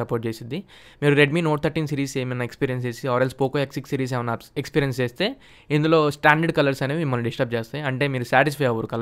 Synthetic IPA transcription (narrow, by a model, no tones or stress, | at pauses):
ɐpoːʈ̚t͡ʃeːsind̪i | miːɾuɾe̞ɖmiːnoːʈ̚t̪ʰɐɾʈːiːnsiːɾiːseːmɐnːɐekspiːɾijɐns̬eːsiaːɾelspoːkoːeksiksiːɾiːs̬eːʋɐnaːekspiːɾijɐnst͡ʃeːst̪e̞ː | ind̪ulo̞ːsʈaːɳɖɐɖkɐlɐɾsɐneːmimːɐlːɐɖisʈɐp̚t͡ʃeːst̪ajɐɳʈe̞ːmiːɾusaːʈispʰɐjɐʋɐɾukɐl